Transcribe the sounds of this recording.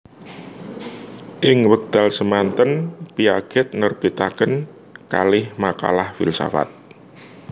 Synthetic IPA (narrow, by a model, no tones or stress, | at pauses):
ʔɪŋwək̚d̪̥a̤lsəmant̪ənpiaɡ̥ɛt̪̚nərb̥et̪akən | ka̰lɪhmaka̰lahfɪ̰lsa̰fa̰t̪̚